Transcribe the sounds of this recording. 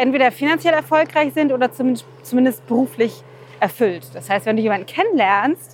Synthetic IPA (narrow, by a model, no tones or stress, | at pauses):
ʔɛntv̥eːdɐfinant͡sjɛlɛɐfɔlkʁaɪçz̥ɪntʔoːdɐt͡sumɪn | t͡sumɪndəst̚b̥əʁuːflɪç | ʔɛɐfʏltd̥ashaɪstv̥ɛnduːjeːmandn̩kʰɛnənlɛɐnst